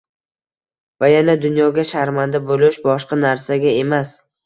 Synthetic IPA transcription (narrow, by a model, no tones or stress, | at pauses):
vajanad̪ʊnjɒɡʲaʃaɾmand̪abolɪʃbɒʃqɑnaɾsaɡʲae̞mas